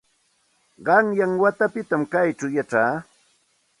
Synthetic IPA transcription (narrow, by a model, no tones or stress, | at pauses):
ɢɑŋjaŋwat̪apɪt̪amkajt͡ʃawjaʈ͡ʂaː